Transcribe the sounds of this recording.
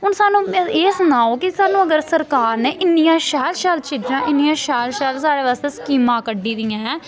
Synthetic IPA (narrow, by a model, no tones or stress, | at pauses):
ɦʊnsaːnũːeːsənaːoːkɪsaːnũːəɡəɾsəɾkaːɾneːʔɪnːijãːʃɛːlʃaːlt͡ʃiːd͡ʒãːʔɪnːɪjãːʃɛːlʃaːlsaːɽeːʋaːst̪eːsə̥kiːmãːkəɖiːd̪ɪjãː